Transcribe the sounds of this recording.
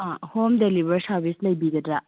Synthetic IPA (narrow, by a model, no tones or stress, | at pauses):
ãhomdelibɐɾsaɾbʱislɐjbiɡɐdɾa